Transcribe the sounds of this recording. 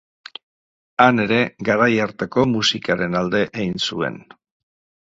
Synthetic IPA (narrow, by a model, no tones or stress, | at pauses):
ane̞ɾe̞ɡaɾajaɾt̪eko̞musikaɾe̞nald̪e̞ʔejnsue̞̰n